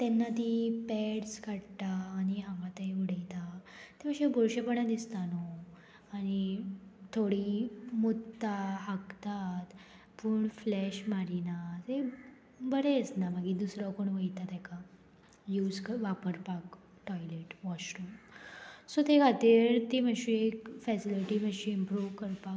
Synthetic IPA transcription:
t̪ɛnːat̪ipɛɽskaɽt̪aːñiɦãŋɡat̪eʋəɽ̤əjt̪at̪emə̃ɕebʱɔɾɕepəɳad̪ist̪anɔ | añit̪ʰoɽimut̪ːaɦakt̪at̪ | puːɳflɛɕmaɾinat̪e | bəɾɛəsnaməɡid̪usɾakoɳ̃ʋəjt̪at̪ɛka | juːd͡zkəʋapəɾpak | ʈɔjleʈʋɔɕɾum | sɔt̪ekʰat̪iːɾt̪iməɕiekfɛsiliʈiməɕĩimpɾuʋkəɾpa

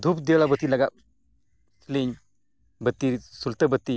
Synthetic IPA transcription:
d̪ʱupd̪ewlabət̪ːilɐɡa | sliɲ | bət̪ːisult̪əbət̪ːi

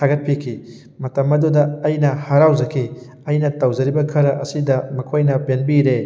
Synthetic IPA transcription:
tʰaɡɐt̚pʰikʰi | mɐtɐmːɐdudɐːjnɐhɐɾawzɐkʰi | ɐjnɐtɐwzɐɾibɐkʰɐɾɐʔɐsidɐmɐkʰojnɐpenbiɾe

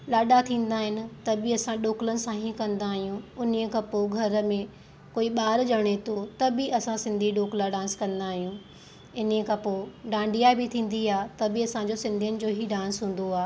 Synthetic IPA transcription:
laːɗat̪ʰĩːnd̪aːɦɪnɪ̆t̪ɐbɪɐsãɗoːklənɪ̆sãɦikɐ̃nd̪aːɦijũʊniəkʰãpoːɡʱɐɾə̆mẽ | koːiɓaːɾd͡ʑɐɽ̃et̪ʰot̪ɐbɪʔɐsãsɪ̃nd̪ʱiɗoːklaɖãːnskɐ̃nd̪aːɦijũ | ɪnkʰãpoːɖãːɳɖijabɪt̪ʰĩːn̆d̪iaːt̪ɐbɪɐsãd͡ʑosɪ̃nd̪ʱijənɪ̆d͡ʑoːɦiɖãːnsɦũːn̆d̪oaː

